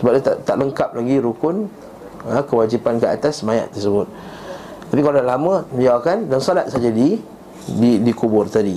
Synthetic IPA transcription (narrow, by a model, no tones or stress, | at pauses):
səbap̚dat̪aʔt̪aʔləŋkap̚laɡiɾukʊn | əkəwad͡ʒipankəa̰t̪asmajã̰ʔt̪ərsəbʊt̪̚ | t̪apikaladalamə̃məliawkandansolat̪̚sad͡ʒadi | didikubʊrt̪adi